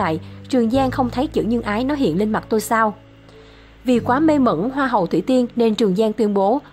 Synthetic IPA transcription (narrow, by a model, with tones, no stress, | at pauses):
a̰ː˧˨jt͡ɕɨ˨˩əŋzaː˧ŋxə˧wŋ͡mt̪ʰə˨˦jt͡ɕɨ̰˧˥ɲɨ˧ŋʔaː˨˦jnɔ˨˦ɦḭ˧˨ənli˧nma˨˩t̚t̪o˧jsaː˧w | vi˨˩kwaː˨˦me˧mə̰˧˥nɦwaː˧ɦə˨˩wt̪ʰḭ˧˩t̪i˧ənne˧nt͡ɕɨ˨˩əŋzaː˧ŋt̪wi˧nɓo˨˦